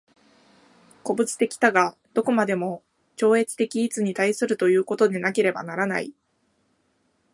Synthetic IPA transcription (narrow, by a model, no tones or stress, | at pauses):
ko̞bɯ̟t͡sɨ̥t̪e̞kʲi̥t̪aɡad̪̥o̞ko̞mad̪e̞mo̞ | t͡ɕo̞ːe̞t͡sɨ̥t̪e̞kʲiːt͡sɨɲ̟it̪aisɨɾɯ̟t̪o̞jɯ̟ːko̞t̪o̞d̪e̞nake̞ɾe̞ba̰naɾana̰ḭ